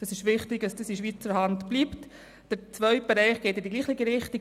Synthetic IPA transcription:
d̥ɑsɪʃʋɪχtɪɡɑsd̥isiʃ̬ʋiːt͡səɾhɑntb̥liːpt | d̥əɾt͡svœʏt̚b̥ɛɾɛɪχɡ̥eːtɪdiɡliːχlɪɡiɾɪχti

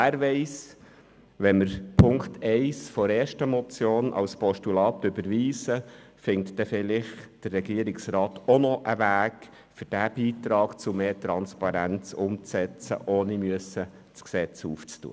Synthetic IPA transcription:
æːɾʋɛɪs | ʋɛnməɾpʰʊŋkt̪ʰɛɪsfɔɾeːɾʃtəmɔt͡sjoːnʔɑ̰lspɔʃtulɑːt̪ʏbəɾʋiːsə | fɪŋtd̥ɛfɪlɪχd̥ərːɛɡiəɾɪksɾɑːt̪ʰonɔʔəʋæːk | fʏɾd̥æb̥iːt̪ɾɑːkt͡sʊmeːtɾɑnspɑɾænt͡sʊmt͡sɛt͡sə̰ʔoːnimyəsə | t͡sksɛt͡suːft͡stṵə

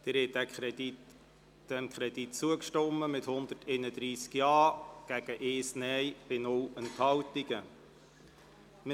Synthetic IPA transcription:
d̥ɪɾhɛd̪æ | d̪̥ɛmkʰχɾɛd̥̪itt͡suəkʃtɔmːəmɪt̪hʊnd̪ətʰɛɪnəd̪ɾiːskjɑːɡ̥æɡ̥əʔɪːsnɛjb̥ɪnʊwʔənthɑwt̪iɡ̥ə | mɪ

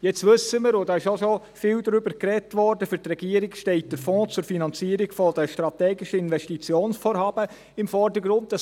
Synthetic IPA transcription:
jɛt͡stʋɵsəməɾodɑːɪʃoʃo | fɪːldɾʏbəɾkɾɛtʋɔɾdəfʏɾtrɛɡiːəɾikʃtɛɪt̚d̥əɾfɔ̃ːt͡sʊɾfinɑnt͡siːəɾiɡfɔdəʃtɾɑtɛːɡɪʃəɪnʋɛʃtit͡sjoːnsfoːɾhɑːb̥ə | ɪmfɔɾdəɡɾʊnt̚d̥ɑ

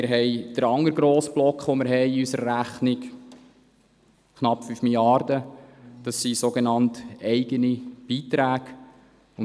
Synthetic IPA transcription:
ɪɾɦɛɪd̥əɾɑŋəɾɡɾoːsb̥lɔkχʋomɪɾɦɛɪiysəɾːæχnɪk | kʰnɑpːfyfmiljɑrd̥̪əd̥ɑsːisoɡenɑnt̪ɛɪɡənib̥iːt̪ɾæːɡ̥ | ʊn

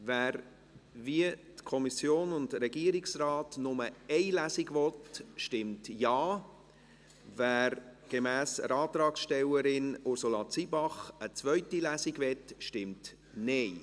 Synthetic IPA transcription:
væːɾ | viətkʰɔmisjoːnʊndɾɛɡiːəɾɪksrɑːtnʊməɛɪlæːsiɡvɔtʃtɪmtjɑː | væːɾɡ̥emæːsə̰ɾɑːtɾɑːksʃtɛwəɾɪnʊɾsulɑt͡siːbɑχət͡svœʏtilæːsiɡvɛtʃtɪmt | nɛɪ

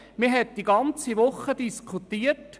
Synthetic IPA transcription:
mɪɦɛt̚d̥iɡɑnt͡siʋʊχːədiskʰut̪ːiːəɾt

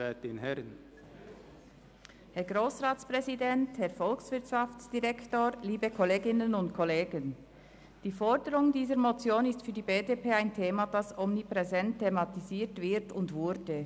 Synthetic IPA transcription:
at̚d̥enhɛʁən | hɛɐɡʁoːsʁaːtt͡spʁɛzidɛnthɛɐfɔlksv̥ɪɐtʃaft͡sd̥iʁɛktoːɾliːbəkʰɔleːɡɪnənʊntkʰɔleːɡən | d̥iːfɔʁdəʁʊŋdiːzəɾmot͡sjoːnɪstfyːdiːbeːdepʰeːaɪntʰeːmad̥ɑsʔɔmnipʁɛzɛntʰːemɑtiziːtv̥ɪtʊndvʊɾdə

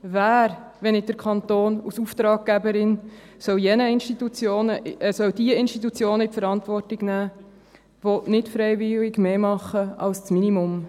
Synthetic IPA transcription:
væːɾ | ʋɛnɪd̥əɾkʰχɑnt̪oːnusuft̪ɾɑːɡ̚ɡ̥æbəɾɪn | sœwjɛnəɪnʃtit̪ut͡sjoːnəsœwdiəɪnʃtit̪̬ut͡sjoːnəipfəɾɑntvɔrtɪɡ̥næː | vɔnɪtfɾɛjvɪlɪɡmeːmɑχːəɑ̰lst͡sminimʊm

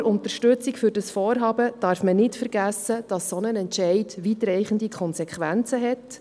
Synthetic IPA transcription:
ɾʊntəɾʃtʉt͡sikfʏɾd̥ɑsfɔːɾɦɑːbəd̥ɑːɾfmənɪtfəɾɡ̥æsəd̥ɑsːɔnənɛntʃɛɪdʋiːtɾɛɪχən̩dikʰχɔnsɛkχʋænt͡səɦɛt

